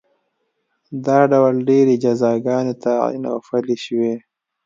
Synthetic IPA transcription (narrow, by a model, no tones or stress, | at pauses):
d̪ɑːɖawalɖeɾed͡ʒazɑːɡɑːnet̪aḭna̰wfaliʃwe